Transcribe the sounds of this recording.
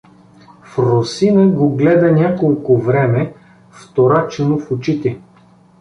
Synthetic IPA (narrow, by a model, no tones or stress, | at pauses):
fɾosinəɡoɡlɛd̪ɐnʲakolˠkʊvɾɛmɛ | ft̪oɾat͡ʃɛnofʊt͡ʃit̪ɛ